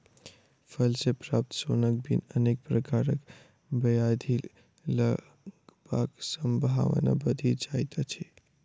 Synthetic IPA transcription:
pʰəlsepɾaːp̚t̪sonək̚bʱḭnənek̚pɾəkaɾək | bəjad̪ʱi | lə | ɡba̰ɡsəmbʱa̰ʋna̰bəd̪ʱid͡ʒait̪at͡ʃʰe

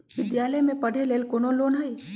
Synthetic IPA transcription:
ʋɪd̪jaːləjmẽpɐɽ̤ʱeleːlkonoloːnɦai

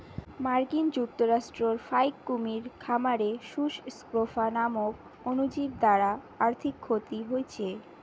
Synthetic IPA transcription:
maɾkind͡ʑuk̚t̪oɾaʃʈɾoɾfajkːumiɾkʰamaɾeʃuʃskɾofanamok | onud͡ʑib̚d̪aɾa | aɾt̪ʰikʰːot̪iɦoet͡ɕʰe

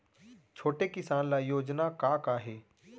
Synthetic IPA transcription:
t͡ʃʰoːʈeːkɪsaːnlaːjoːd͡ʒnakaːkaːɦeː

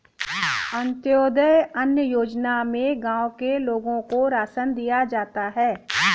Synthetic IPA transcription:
ə̃nt̪joːd̪əjɐnjəjoːd͡ʒnamẽɡãːwkeloːɡõkoɾaːsənd̪ijad͡ʒaːt̪aɦɛː

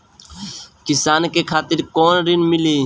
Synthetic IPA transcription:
kisaːnkekʰaːt̪ɪɾkoːnɾinmiliː

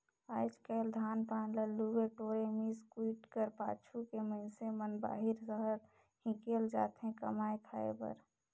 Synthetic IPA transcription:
aːjd͡ʒkəɪld̪ʱaːnpaːnləlːuweʈoːɾemiskwiʈkəɾpa̰ːt͡ʃʰukeməɪnsemənba̰ːɦɪɾsəɦəɾ | hĩkeld͡ʒa̰ːt̪ɦẽkə̰maːjk̪ʰaḛpə̰ɾ

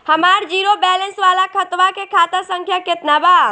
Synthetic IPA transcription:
həmaːɾd͡ʒiːɾobɛːlənsʋaːlakʰət̪ʋakekʰaːt̪əsə̃ŋkʰjaket̪nabaː

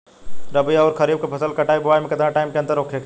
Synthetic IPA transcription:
ɾɐbijɔːɾkʰəɐɾiːb̚kepʰɐsəlkɐʈaːibʊʋaːimẽkɐd̪ɾãʈaːɪmkeɐ̃nd̪əɾoːkʰek

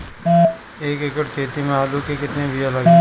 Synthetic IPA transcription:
eːkɪkəʈkʰeːt̪imẽaːlukekɪt̪nebʱiɐlɐɡe

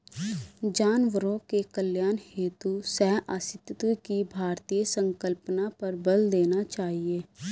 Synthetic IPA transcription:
d͡ʒaːnʋəɾõkekəljaːnheːt̪usɛɦʔaːsɪt̪t̪ukibʱaːɾt̪ijəsə̃ŋkəlpnapɐɾbəld̪eːnat͡ʃaːɦieː

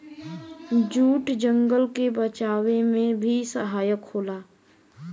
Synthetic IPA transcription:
d͡ʒuːʈd͡ʒə̃ŋɡəlkebət͡ʃaːwemẽbʱisəɦaːjəkhoːlaː

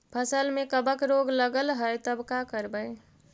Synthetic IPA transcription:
pʰəsəlmekəbəkɾoɡləɡəlɦəjt̪əbkakəɾbəj

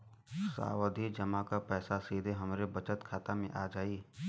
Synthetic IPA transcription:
sa̰ːwəd̪ʱid͡ʒəmakapɛːsasiːd̪ʱeɦɐmɾebɐt͡ʃət̪kʰaːt̪amẽʔaːd͡ʒaːiː

